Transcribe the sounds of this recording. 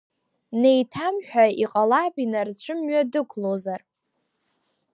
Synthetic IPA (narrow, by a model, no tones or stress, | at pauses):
nejtʰamħʷᶣaiqʼalapʼinart͡ɕʷʰɨmɥadɨkʷʰlozar